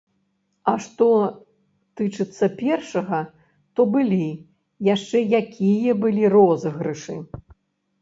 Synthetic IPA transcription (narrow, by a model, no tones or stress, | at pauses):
ɐʂt̪ɔ | t̪ɨt͡ʂɨt̪sːɐpʲɛrʂɐɣɐ | t̪ɔbɨlʲi | jaʂt͡ʂɛjakʲijɐbɨlʲirɔzɐɣɾɨʂɨ